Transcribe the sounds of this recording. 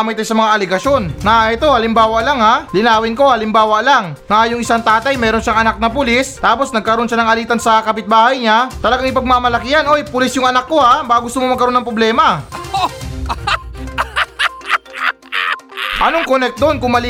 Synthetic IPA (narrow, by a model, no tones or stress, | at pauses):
mɐjt̪ajsɐmɐŋaʔɐlɛɡɐʃo̞nːɐʔɛt̪o̞ɐlɪmbaːwɐʔlaŋhalɪnaːwɪnko̞ɐlɪmbaːwɐaʔlaŋːajʊŋɪsaŋt̪aːt̪ɐjmɛːɾo̞nʃaŋɐnak̚nɐpʊlist̪aːpo̞snɐɡ̚kɐɾo̞nʃanɐŋɐliːt̪ɐnsɐkɐpɪt̪̚baːhɐjɲat̪ɐlɐɡaŋɪpɐɡ̚mamɐlɐkɪjɐnʔo̞jpʊlɪsjʊŋɐnakːo̞abaaɡʊst̪ʊmomɐɡkɐɾo̞nːɐŋpɾoblɛːmɐ | ʔɐnoŋkonɛk̚t̪̚d̪o̞nkʊŋmɐli